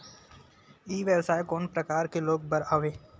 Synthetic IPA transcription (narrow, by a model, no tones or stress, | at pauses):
iːʋebsaːjkoːnpɾəkaːɾkeloːɡ̚bəɾaːʋeː